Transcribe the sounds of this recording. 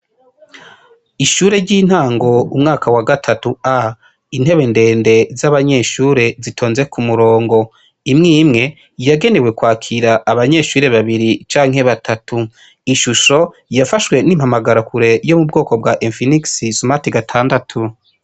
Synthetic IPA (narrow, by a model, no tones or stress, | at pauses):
iʃuːɾe̞ɾɟiːn̥haːŋɡo̞umŋaːkawaɡatʰatua | in̥he̞βe̞nde̞ːnde̞zaβaɲe̞ʃuːɾe̞zitʰo̞ːnze̞kʰumuɾo̞ːŋɡo̞ | imŋiːmŋe̞ | jaɡe̞ne̞we̞kwaːkʰiɾaʔːβaɲe̞ːʃuːɾe̞βaβiɾit͡ʃaːŋ̥e̞βatʰatʰu | iʃuʃo̞ | jafaʃwe̞niːmhamaɡaɾokuɾe̞jo̞mubɡo̞ːko̞bɡaʔenfiniksisumatiɡatʰaːndatʰu